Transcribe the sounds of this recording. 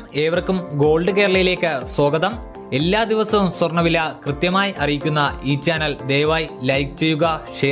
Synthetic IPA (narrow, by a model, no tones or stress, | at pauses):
me̞ːʋɐrkːumɡo̞ːɭɖɨkeːɾɐɭɐjile̞ːkːɨso̞ːɡɐðɐm | e̞lːaːd̪iʋɐsɐʋumswɐrɳɐʋilɐkrɨt̪jɐmaːjiʔɐrijikʲːunːɐiːt͡ɕaːnɐld̪e̞ːʋaːjlɐjk̚t͡ɕejuɣɐʂe